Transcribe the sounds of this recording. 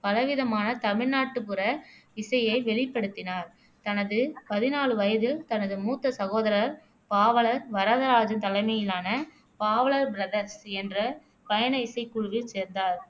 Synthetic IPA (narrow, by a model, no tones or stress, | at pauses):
pɐlɐʋɪðɐmaːnɐt̪ɐmɪɻnaːʈːɯpɯɾɐɪsɐjɐɪʋɛɭɪpːɐɽɯt̪ːɪnaːɾ | t̪ɐnɐðɯpɐðɪnaːɭɯʋɐjɐðɯt̪ɐnɐðɯmuːt̪ːɐsɐɣoːðɐɾɐɾ | paːʋɐɭɐɾʋɐɾɐðɐɾaːd͡ʒɯt̪ɐlɐɪmɐjɪlaːnɐ | paːʋɐɭɐɾbɾɐðɐɾsɛndrɐ | pɐjɐnɐɪsɐɪkːʊɻʋɯseːɾnd̪aːɾ